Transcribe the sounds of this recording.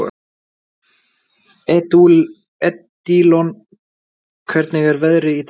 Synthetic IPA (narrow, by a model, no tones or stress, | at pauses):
ɛt̪ul | ɛt̪ː | ilɔn | kʰvɛɾt̪nɪɣɛɾvɛðɾɪit̪